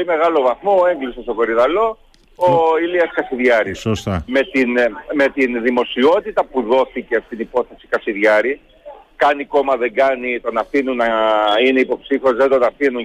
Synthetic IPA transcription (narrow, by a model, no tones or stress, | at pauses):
poolime̞ɣɐlo̞vɐθmo̞e̞ŋɡlisest̪oko̞ɾiðɐlo̞ | oiliɐskɐsiðʝɐɾisost̪ɐme̞t̪inme̞t̪inðimo̞sio̞t̪it̪ɐpuðo̞θiceɐfi̥t̪inipo̞θe̞si̥kɐsiðʝɐɾi | kɐniko̞mɐðe̞ŋɡɐnit̪o̞nɐfinunɐineipo̞psifo̞zðed̪o̞nɐfinu